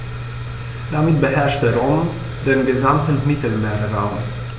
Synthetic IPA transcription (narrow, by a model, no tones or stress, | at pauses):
d̥amit̚bəɦɛɐʃt̚dəʁoːm | denɡəzamtənmɪtəl̩meːʁəʁaʊm